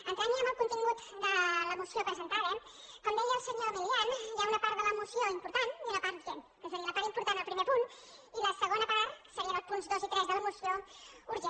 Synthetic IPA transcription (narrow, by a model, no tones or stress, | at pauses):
ɐnt̪aniɐmɐlˠkũnt̪iŋut̪d̪əlɐmusjopɾəzent̪aðɐ | kwãnd̪eʎɐlsəɲoðəiɛnʒɛunɐpaɾt̪ðələmusjõimpuɾt̪ãnt̪iunɐpaɾt̪̚iʒenkos̬ɾiunɐpaɾimpuɾt̪anɐlpɾimeɾt̪uɾu | ilɐsəɣõnd̪ɐpaɾsəɾiɐ̃ɐpunzðozit̪ɾɛzðələmusjouɾe